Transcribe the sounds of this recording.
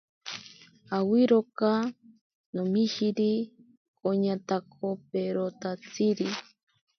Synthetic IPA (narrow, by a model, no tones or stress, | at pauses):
awiɾoka | nomiʃiɾi | kʼoɲat̪ak̚ʰopeɾot̪at͡siɾi